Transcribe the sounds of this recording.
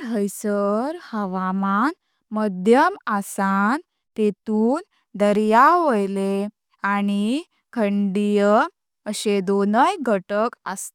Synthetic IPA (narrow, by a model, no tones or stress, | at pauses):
ɦəjsəɾhəʋaman | məd̪ʱjəmasan | t̪et̪uːn | d̪əɾjaʋəjle | ani | kʰəɳɖijə | əɕed̪onəjɡʱəʈəkə̰st̪e